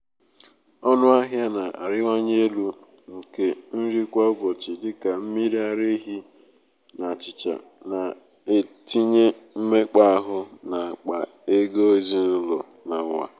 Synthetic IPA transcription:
ɔ˦nʊ˦a˦ɦja˦na˨a˨ɾɪ˦wʷa˦ɲe˦lu˦ | ŋ̩˨ke˦n̩˦ɾi˦kʷa˦ʊ˦ɡɔ˨t͡ʃɪ˨dɪ˦ka˨m̩˦mi˦ɾi˦a˨ɾe˦ɦi˦ | na˨t͡ʃɪ˨t͡ʃa̰˨ | na˨ | e˦ti˦ɲe˦m̩˦me˦k͡pa˦a˦ɦʊ˦na˨a˨k͡pa˨ | e˦ɡo˦zi˦n̩˦lɔ̰˨ | na˨wa̰˨

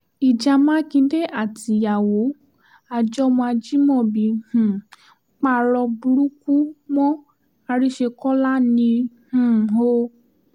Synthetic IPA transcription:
i˨d͡ʒa˧mã˦kĩ˧˦de˦ʔa˦˨ti˧˨ja˨wo˨˦ | a˨d͡ʒɔ˦˧mɔ̃˧a˧d͡ʒi˦mɔ̃˦˨bi˧h̩˨˦ | k͡pa˧˦ɾɔ˧bu˧ɾu˦ku˦mɔ̃˦ | a˧ɾi˦ʃe˧kɔ˦la˦nĩ˧ | hũ˨o˦

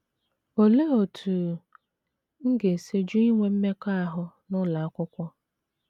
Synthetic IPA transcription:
o˨le˦o˨tʰu˨ | ŋ̩˦ɡe˨se˦d͡ʒu˦i˦ŋʷe˨m̩˦me˦ka˦a˨ɦʊ˦nʊ˦la˨a˦kʷʊ˦kʷɔ˦

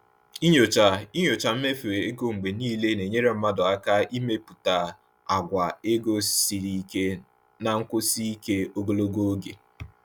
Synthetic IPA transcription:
i˦ɲo˨t͡ʃa˨i˦ɲo˨t͡ʃa˨m̩˦me˦fe˨ɾe˨e˦ɡo˦ŋ͡m̩˨ɡ͡be˨niː˦le˦ne˨ɲe˦ɾe˦m̩˦ma˦dʊ˨a˦ka˦i˦me˦pu˨ta˨ | a˨ɡʷa˨e˦ɡo˦si˨ɾi˨˦ke˦ | na˨ŋ̩˦kʊ˦si˦i˦ke˦o˦ɡo˦lo˦ɡo˦o˦ɡḛ˨

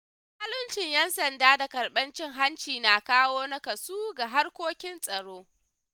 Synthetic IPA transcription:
ha˦lʊ˦nt͡ʃɪ˨ɲjɛ˦nsɐ˨ndaː˦da˨kɐ˨ɾɓɐ˦nt͡ʃɪ˦ŋɦa˦nt͡ʃiː˨naː˨kaː˦woː˦nɐ˦kɐ˨suː˦ɡa˨ɦa˦rkʷoː˦kʲɪ˦nsʼɐ˨ɽoː˦

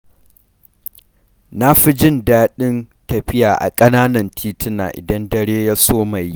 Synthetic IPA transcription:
na˦ɸi˦d͡ʒɪ˦˨ndaː˦ɗɪ˦n | tɐ˨ɸɪ˦jaː˨ʔa̰˨kʼɐ˦naː˦nɐ˨ntʰiː˦tɪ˦na̰ː˨ʔɪ̰˨dɐ˦ndɐ˦˨ɽeː˦ja˦soː˦ma˨ji˦

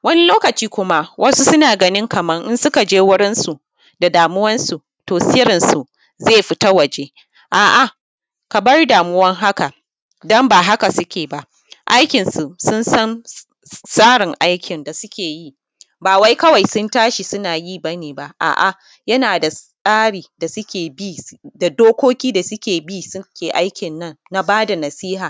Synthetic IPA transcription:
wɐ˦ni˦loː˦kɐ˨t͡ʃiː˦kʷʊ˦ma˦wʔɐ˦su˦sʊ˦naː˨ɡɐ˦nɪ˦ŋkɐ˨mɐ˦ŋʔɪ˦nsʊ˦ka˨d͡ʒeː˦wʊ˦ɽɪ˦nsu˨ | da˨daː˨mʊ˦wɐ˦nsu˨ | toː˨sɪ˦jɾɪ˨nsu˨ | zeː˦˨ɸɪ˦ta˦wɐ˨d͡ʒe˦ | ʔaː˨ʔa˨ | kɐ˨bɐ˦rdaː˨mʊ˦wɐ˦ŋɦa˦ka˨ | dɔ˦mbaː˨ɦa˦ka˨sʊ˦kʲeː˨ba˦ʔ | ʔa̰˦jkʲɪ˨nsu˨sʊ˦nsɐ˦n | saː˦ɽɪ˨ŋʔa˦jkʲʰɪ˨nda˨sʊ˦kʲeː˨ji˦ | baː˨wa˦jkɐ˦wa˨jsʊ˦ntaː˦ʃi˨sʊ˦naː˨jiː˦˨ba˦neː˨ba˦ʔʔa̰ː˨ʔa̰˨ | jɐ˦naː˨da˨sʼaː˦ɽiː˨da˨sʊ˦kʲeː˨biː˦˨da˨doː˦kʷoː˦kʲiː˦da˨sʊ˦kʲeː˨biː˦sʊ˦kʲeː˨ʔa˦jkʲɪ˨nːɐ˦˨nːa˦baː˦da˨nɐ˨siː˦ɦaː˨

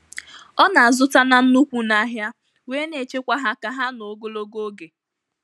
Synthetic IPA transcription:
ɔ˦na˨a˨zʊ˦ta˦na˦n̩˦nu˦kʷu˨na˦ɦja˦ | we˦ne˨t͡ʃe˦kʷa˦ɦa˦ka˦ɦa˦no˨˦ɡo˦lo˦ɡo˦ɡe˨

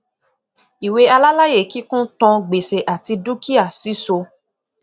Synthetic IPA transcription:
i˨we˧˦a˧la˦la˦je˦˨ki˨˦kũ˦tɔ̃˧ɡ͡be˨se˨ʔa˨ti˧du˦ki˦a˦˨si˨˦so˧

